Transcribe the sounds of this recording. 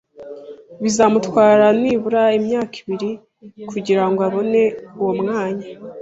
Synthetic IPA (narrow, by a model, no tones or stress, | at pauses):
βizamutwaːɾaniːβuɾaimɲaːki̥βiɾi | kuɟiɾaŋɡoaβo̞ne̞uwomŋaːɲa